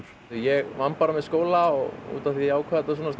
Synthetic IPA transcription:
ijɛɣvanpaɾamɛðskoːwlaɔɣṵːt̪aθiaːwkʰvaːðɛt̪asuːnas

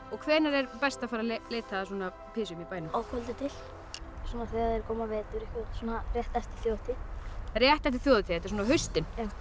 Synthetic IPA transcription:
ɔɣkʰvɛːɾnaɾɛɾpɛst̪afaɾaleːjt̪ʰaðasɔːna | pʰɪːsʏmipaːjnʏmawkʰɔlt̪ɪt̪ʰɪl̥ | suːnaθœɣaðɛɾkʰɔːmavɛːt̪ʏɾɪhkɪsuːnarjɛht̪ast̪i̥θjowðt̪ʰɪrjɛht̪aht̪ɪθjoːwðʏt̪ʰiɪθɛt̪ɪɾsɔːnaɦʏɥst̪ɪnjaw

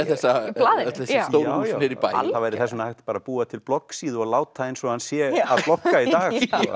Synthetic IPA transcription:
ɛθɛssːalaːðɪɛsowɾuhɪɾipa̰jθavajɾɪθɛsmɛnhajht̪paːɾapuːat̪ʰɪlplɔkːsiːðɔɣlaːwt̪ʰaejnsɔhansjɛaðplɔhkːait̪aːɣ

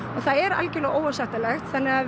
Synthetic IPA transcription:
ɔɣθaðɛɾa̰lcɪlɔɣʔoːwvaɾsat̪alɛxt̪θanːɪɣa

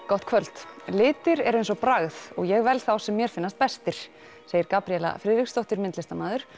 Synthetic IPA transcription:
kɔht̪̚kʰvœl̥t̪lɪːt̪ɪɾɛɾejnsɔpɾaɣθɔɣjɛɣvɛlθawsɛmːjɛɾ̥fɪnːast̪̚pɛst̪ɪɾ̥ | seːjɪɾkaːpɾiɛla̰fɾɪːðɪkst̪owht̪ɪɾmɪnt̪lɪst̪amaːðʏɾ̥

